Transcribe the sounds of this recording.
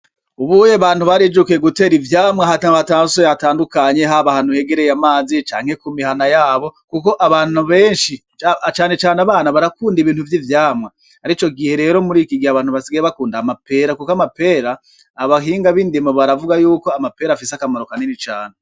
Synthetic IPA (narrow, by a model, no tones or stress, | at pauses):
uβujeβaːn̥huβaɾid͡ʒukeɡute̞ːɾivjaːmŋaɦathataːsojhataːndukaɲe̞ɦaβahan̥uhe̞ɡe̞ɾe̞jamaːzit͡ʃa̰ːŋhe̞kumihanajaːβo̞kuko̞ʔaβaːnuβe̞ːnʃi | at͡ʃaːne̞t͡ʃaːneaβaːnaβaɾakuːndiβiːnthuvjivjaːmŋa | haɾit͡ʃo̞ɡihe̞ɾe̞ːɾo̞muɾiːkiɡiaβaːn̥huβasiɡajeβakuːndamape̞ɾakukamape̞ːɾaː | βaɦiːŋɡaβindimaβaɾavuɡajuːko̞amape̞ːɾafiseakamaɾo̞kanenit͡ʃaːne